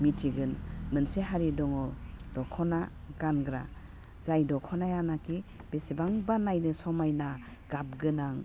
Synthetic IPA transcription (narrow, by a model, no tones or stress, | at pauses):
mitʰiɡɯnmɯnseɦaɾidɔŋɔd̥ɔkʰɔna | ɡ̥anɡɾa̰ | z̥ajdɔkʰɔnajanakib̥esibaŋbanajnɯsɔmajna | ɡ̥ap̚ɡɯnaŋ